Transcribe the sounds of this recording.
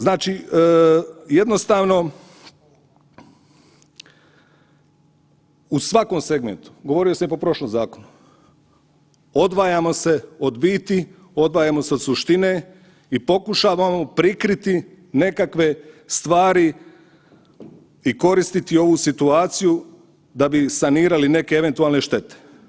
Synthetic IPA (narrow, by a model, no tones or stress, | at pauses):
znaːt͡ʃi | je̞d̪no̞st̪aːʋno̞ | usʋako̞mse̞ɡmḛnt̪u̥ɡo̞ʋo̞ɾiosamjepo̞pɾo̞ʃlomzaːkonu | o̞d̪ʋaːjamo̞se̞o̞d̪biːt̪i | o̞d̪ʋaːjamo̞seo̞d̪suʃt̪ine̞ | ipo̞kuʃaːʋamo̞pɾikɾit̪i | ne̞kakʋe̞st̪ʋaːɾi | iko̞ɾist̪it̪io̞ʋusit̪uaːt̪siju | d̪abisaniːɾaline̞keeʋe̞nt̪ualˠne̞ʃt̪e̞t̪e̥